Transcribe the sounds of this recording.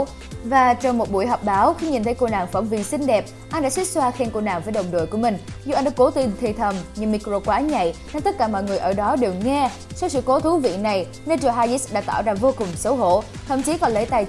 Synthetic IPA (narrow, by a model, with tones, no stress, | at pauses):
vaː˨˩t͡ɕɔ˧wŋ͡mmo˨˩t̚ɓu˧˩əjɦɔ˨˩wk͡p̚ɓaː˨˦wxi˧ŋ͡mɲi˨˩nt̪ʰə˨˦jko˧na̰ː˧˨ŋfə˧˩ŋ͡mvi˨˩sï˧ŋɗɛ˨˩p̚ | ʔa˧nɗa̰ː˧˥si˦˥k̚swaː˧xe˧mko˧na̰ː˧˨ŋvəː˨˦jɗə˨˩wŋ͡mɗo̰˧˨jku˧˩mï˨˩ŋ̟zu˧˩ʔa˧jnɗa̰ː˧˦˥ko˨˦t̪i˧nt̪ʰi˧˩t̪ʰə˨˩mɲɨ˧˩mi˧kɾo˧kwaː˨˦ɲa̰˧˨jna˧˦nt̪ə˦˥t̚kaː˧˩mɔ̰˧˨jŋɨ˨˩əjʔəː˧˩ɗɔ˨˦ɗe˨˩wŋɛ˧ | sa˧wsɨ̰˧˨ko˨˦t̪ʰu˨˦vḭ˧˨na˨˩j | ne˧t͡ɕə˧˩ɦaː˧zi˦˥sɗa̰ː˧˥t̪a̰ː˧˩˨wzaː˧˩vo˧kʊ˨˩ŋ͡msə˨˦wɦo̰˧˩˨ | t̪ʰə̰˧˨mt͡ɕi˨˦kɔ˨˦le˧˦jt̪a˨˩j